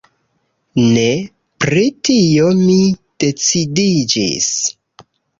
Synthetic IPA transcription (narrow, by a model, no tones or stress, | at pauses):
ne | pɾitio̞mid̥e̞t͡sidid͡ʒḭs